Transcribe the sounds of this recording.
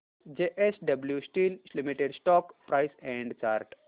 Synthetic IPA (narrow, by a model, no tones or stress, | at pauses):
d͡ʒeʔesɖɐbljusʈiːllimiʈeɖsʈɔːkpɾaɪsɛ̃ɳɖt͡ʃaːɾʈ